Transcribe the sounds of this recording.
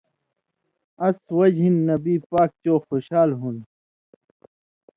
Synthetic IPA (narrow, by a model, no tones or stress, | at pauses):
ɐswɐd͡ʑɦinːɐbiːpaːk̚t͡ɕoːxoɕaːlɦun